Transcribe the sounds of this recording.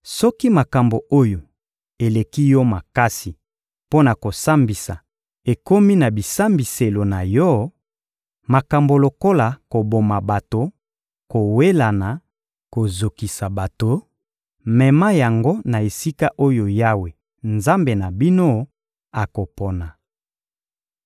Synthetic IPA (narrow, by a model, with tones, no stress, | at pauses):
sɔ˦ki˦ma˨ka˨mbo˨ʔo˦jo˨ | e˨le˨ki˦jɔ˦ma˨ka˦si˨ | po˦na˨ko˨sa˦mbi˨sa̰˨ | e˨ko˦mi˦na˨bi˨sa˦mbi˨se˨lo˨na˨jɔ˦ | ma˨ka˨mbo˨lo˨ko˦la˨ko˨bo˨ma˨ba˨to˨ | ko˨we˦la˨na˨ | ko˨zo˨ki˨sa˨ba˨to˨ | mɛ˨ma˦ja˨ŋɡo˦na˨e˨si˦ka˦ʔo˦jo˨ja˦we˨ | nza˦mbe˨na˨bi˦no˦ | a˨ko˨pɔ˨na˨